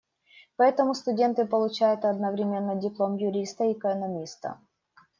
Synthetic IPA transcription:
pɐɛt̪əmʊst̪ʊdʲe̞nt̪ɨpəlˠʊt͡ɕæjʊt̪ɐd̪nəvɾʲɪmʲe̞nːədʲɪplˠo̞mjʊɾʲist̪əɛkənɐmʲist̪ə̰

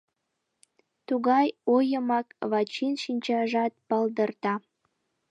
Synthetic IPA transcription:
t̪uɣɑjojəmɑkβɑt͡ɕinʃinʲt͡ɕɑʒɑt̪̚pɑld̪ərt̪ɑ

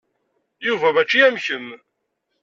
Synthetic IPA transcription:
juvævæt͡ʃːijæmçəm

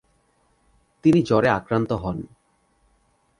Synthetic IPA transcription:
t̪inid͡ʑɔɾeakɾant̪oɦɔn

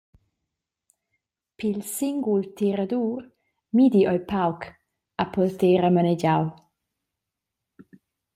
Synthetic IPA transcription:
pilsiŋɡult̪iɾad̪uːɾ | mid̪iʔɔjpawk | apɔlt̪eːɾamanɛd͡ʒaw

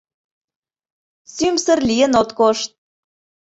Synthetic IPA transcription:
symsə̆rliənot̪koʃt̪̚

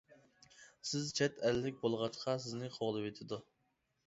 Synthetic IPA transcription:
sɪzt͡ʃʰɛt̪ʰɛlːɪk̚ʲbolˠʁɑt͡ʃqʰɑsɪznɪqʰoʁlˠɨwet̪ʰɪd̪u

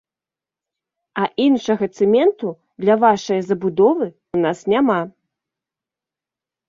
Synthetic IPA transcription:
ɐʔinʂɐɣɐt̪sɛmʲɛnt̪u | d̪lʲɐvaʂɐjɐzɐbud̪ɔvɨ | unasnʲama

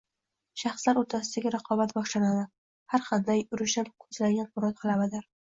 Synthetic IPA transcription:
ʃɑχslaɾot̪ʰasɪd̪aɡʲaɾɑqʰɒbat̪bɒʃlanad̪ɪ | haɾqɑnd̪ajʊɾɪʃapkʰɵzlaɡʲanqʰʊɾat̪̚qʰɨlˠabɪd̪ɪɾ

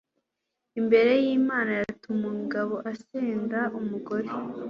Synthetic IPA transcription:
imbe̞ɾe̞jiːmaːnajatumuŋɡaβo̞ʔaseːndaʔumuɡo̞ɾe

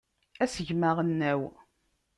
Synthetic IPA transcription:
æsəʝməʁənːæw

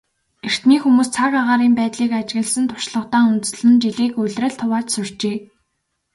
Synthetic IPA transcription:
er̥t̪niːxumuːst͡sʰakaʁaːɾiːmpæːt̪ɮiːkat͡ɕɣɘ̆ɮsɘ̆nt̪ʰʊ̥ʃɮə̆χt̪aːunt̪ɵ̆s̆ɮɘ̆nt͡ɕiɮiːkʊɮrə̆ɮt̪ʰʊwaːt͡ɕsʊr̥t͡ɕeː

